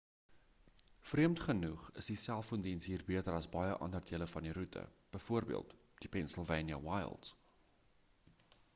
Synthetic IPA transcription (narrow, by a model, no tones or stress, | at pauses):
friəmtχənuχəsdisælˠfkɔndinsɦiːrbiətəɾɐsbɐjəʔɐ̰ndərdiələfɐndiɾutə̰b̥əjfuərbḭəlˠt | d̥ipɛnsəlˠvɛjnjə̰wɐjlˠts